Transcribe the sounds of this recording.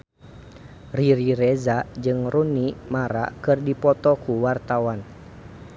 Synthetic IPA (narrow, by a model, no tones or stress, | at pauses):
riɾiɾɛzad͡ʒɨŋrunimaɾa̰kɨrdipɔt̪ɔkuwart̪awan